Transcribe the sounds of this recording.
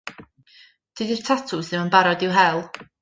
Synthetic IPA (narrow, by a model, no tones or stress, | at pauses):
d̥idɪrtʰatʰʊsɪmənbaɾɔdɪwɦɛlˠ